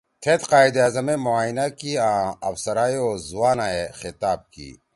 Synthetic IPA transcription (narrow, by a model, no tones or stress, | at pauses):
t̪ʰet̪qaːid̪ɐːzɐmemoaːinakiãɐ̰fsɐɾaːioːzuwaːnaexɪt̪aːb̚kḭː